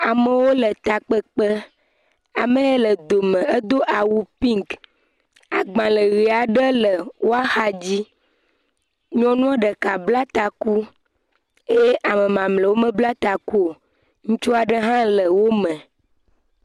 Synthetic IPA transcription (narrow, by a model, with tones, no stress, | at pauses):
a˨mə˨wo˦lə˨t̪a˨k͡pə˦k͡pə˦ | a˨mə̃˦e˦lə˨d̪o˨mə̃˨ə˦d̪o˦ʔa˨wu˨pi˦ŋk | a˨ɡ͡bã˨lə˨ɣi˨a˨ɖə˦lə˨wʔo˦a˦xa˦d͡ʑi˦ | ɲɔ̃˦nũ˦a˦ɖə˨ka˨bla˦t̪a˨ku˦ | e˦je˦ʔa˨mə̃˨mã˨mlə˨wo˦mə̃˦bla˦t̪a˨ku˦o˨ | ŋũ˦t͡ʃo˦a˨ɖə˦ɦã˦lə˨wo˦mə̃˨